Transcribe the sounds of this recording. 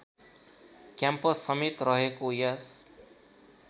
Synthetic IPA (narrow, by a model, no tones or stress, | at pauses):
kjampʌsːʌmit̪rʌɦekojas